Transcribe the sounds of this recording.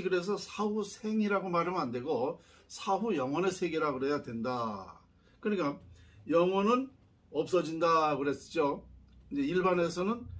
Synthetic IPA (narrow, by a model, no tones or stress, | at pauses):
iɡɯɾe̞s̬ʰʌsʰaɸusʰe̞ŋiɾaɡomaɾɯmandwe̞ɡo | sʰaɸujʌŋwʌnesʰeɡeɾaɡɯɾejadwe̞nda | kɯɲik͈ajʌŋwʌnɯn | ʌp̚s͈ʌd͡ʑindakɯɾe̞s͈ɯ̥d͡ʑod͡ʑeiɭbane̞sʰʌnɯn